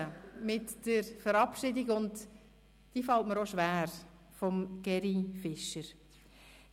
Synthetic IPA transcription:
əmɪtd̥əɾfəɾɑpʃɪdiɡʊnd | d̥iːfɑltməɾoʃʋæːɾ | fɔmɡ̥ɛɾifɪʃəɾ

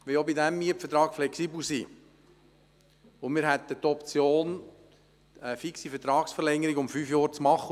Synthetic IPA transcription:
ʋɪjobidæmːiəpfɛt̪ɾɑːkflɛksiːbl̩sḭː | ʊmɪːɾɦɛt̪ːət̪ːɔpt͡sjoːn | əfiksifɛt̪ɾɑːksfəɾlɛŋːəɾiɡʊmfyːfjɑːɾt͡smɑχːə

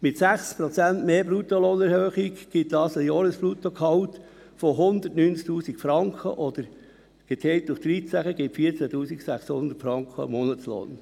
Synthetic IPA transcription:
mɪt̪sæχspɾɔt͡sænt̪meːbɾut̪ːoloːnɛɾhøːχikɡ̥ɪt̪̚d̪ɑːsəjɑːɾəsflut̪okʰhɑwt̪ | fɔɦʊnd̪ətnyːnt͡sk̚t̪uːsikfɾɑŋkχə̰ʔɔd̪əɾ | ɡ̥ɛt̪ʰɛt̪dʊχd̪̥ɾitt͡sæχəɡɪtfiːət͡sæt̪uːsiksæχshʊnd̪əɾtfɾɑŋkχə̰mɔnətslo̰ːn

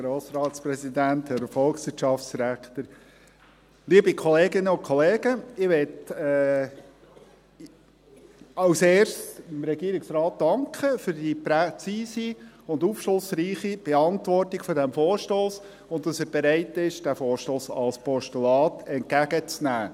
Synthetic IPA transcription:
ɡɾoːsɾɑːtspɾɛsidænthɛɾfɔlksʋɪʃɑfsɾækt̪əɾ | liəbikʰɔleːɡɪnəʊnkʰɔleːɡəɪʋɛtɛ | ɑwseːrsɪmɾɛɡiəɾɪksɾɑːt̚d̥ɑŋkχəfyɾd̥ipɾɛt͡siːsiʊndufʃlʊsɾiːχib̥ɛɑntʋɔrtɪɡ̥fɔɾdɛmfoːɾʃtoːs | ʊntdɑsɛb̥ɛɾæɪtɪʃd̥æfoːʃtoːsɑ̰lspɔʃtulɑːtɛnt̚kæɡət͡snæː

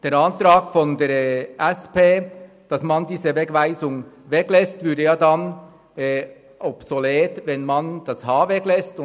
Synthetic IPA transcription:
d̥eːɾɑntɾɑːɡfɔndeːʔɛspeː | d̥ɑsmɑndiːzəvɛkvæɪzʊŋvɛklɛstvʏɐdəjɑːdan | ɛ | ʔɔpsoleːtvɛnmand̥ɑshɑːvɛklɛstʊ

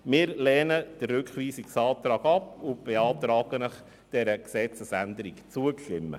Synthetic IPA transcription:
mɪːɾlɛːnəd̥ərrʉkχʋiːsiksɑːt̪ɾɑːɡɑpʊb̥ɛɑːt̪ɾɑːɡ̥ənəχ | d̥ɛɾəksɛt͡səsænd̪əɾikt͡suəkʃlɪmːə̰

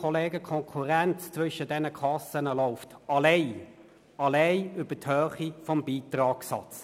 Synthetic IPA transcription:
ɔleːɡəkʰɔŋkʰuʁɛnt͡st͡sʋʏʃədɛnəkʰɑsənəlɔʊftɑleɪ | ɑleɪʏb̥əthøːχifɔmbiːtrɑːksɑ̰t͡s

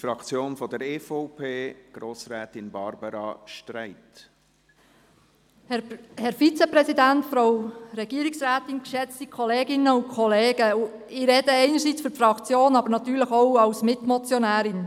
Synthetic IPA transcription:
fɾɑkt͡sjoːnfɔd̪əɾefɔʊpʰeːɡ̥ɾoːsɾɛːt̪ɪnbɑ̰ɾbɑɾɑ̰ʃtɾæɪt | hhɛɾfit͡sɛpɾɛsidæntfɾowɾɛɡ̥iːɾiksɾæːtɪnkʃɛt͡stikʰɔleːɡɪnəʊnkʰɔleːɡ̥əɪɾɛd̥əɛɪnəɾsit͡sffɾɑkt͡sjoːnɑbəɾnɑt̪yːɾləχɔwɑwsmɪt̪mɔt͡sjɔnæːɾɪn

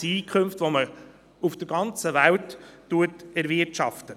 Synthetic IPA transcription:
iːkʰχømftʋomə | ufd̥əɾɡ̥ɑnt͡səvæltː | uətɛɾvɪɾtʃɑftə

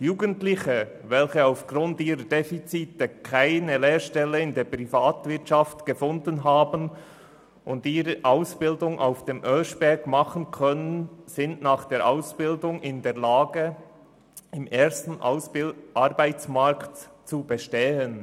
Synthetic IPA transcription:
juːɡəntlɪçə | vɛlçəaʊfɡ̥ɾʊntiːɾədefit͡siːtəkʰaɪnəleːɾʃtɛləɪndeːpɾifaːtvɪɐtt͡ʃaftɡ̥əfʊndənɦaːbən | ʔʊndiːɾəʔaʊsb̥ɪldʊŋʔa̰ʊfd̥eːmʔœʃb̥ɛɡmɑχənkʰœnənz̥ɪntnaːχd̥eːɾʔaʊsb̥ɪldʊŋɪndeːɐlaːɡə | ɪmeːstn̩sʔaɾbaɪt͡smaɾktt͡subəʃtɛːən

